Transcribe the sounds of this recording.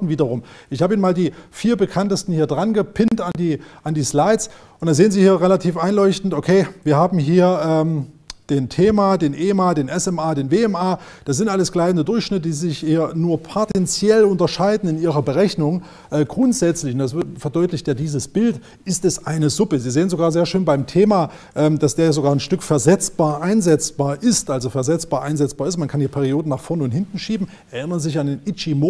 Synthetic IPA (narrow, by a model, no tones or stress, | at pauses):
n̩viːdɐʁʊmʔɪçhaːbəiːnmaːldiːfiːɐbəkʰantəstn̩hiːɐdʁanɡəpʰɪntandiːʔandiːslaɪsʔʊntd̥aːnzeːənziːhiːɐʁɛlatʰiːfʔaɪnlɔʏçtn̩tʔokʰeːviːɐhaːbm̩ɦiːɐʔɛːmd̥eːntʰeːmadeːnʔeːmaːdeːnʔɛsɛmaːdeːnveːɛmʔaː | d̥asz̥ɪntʔaləsɡ̥laɪdn̩dədʊɐçʃnɪtəd̥iːzɪçhiːɐnuːɐpʰotʰɛnt͡sjɛlʊntɐʃaɪdn̩ɪniːʁɐbəʁɛçnʊŋ | ʔɛːɡʁʊntz̥ɛt͡slɪçʊntd̥asfɛɐdɔʏtlɪçtjaːdiːzəsb̥ɪlt | ʔɪstɛsʔaɪnəzʊpəziːzeːənzoɡaːɐzeːɐʃøːnbaɪmtʰeːmaː | ʔɛːmd̥asd̥eːɐjazoɡaːɐnʃtʏkfɛɐzɛt͡sb̥aːɐʔaɪnzɛt͡sb̥aːɐʔɪstʔalzofɛɐzɛt͡sb̥aːɐʔaɪnzɛt͡sb̥aːɐɪstmankʰanhiːɐpʰɛːʁ̞ioːdn̩naːχfɔɐnʊnthɪntn̩ʃiːbm̩ʔɛɐʔɪnɐʁəzɪçandeːnʔɪt͡ʃimoː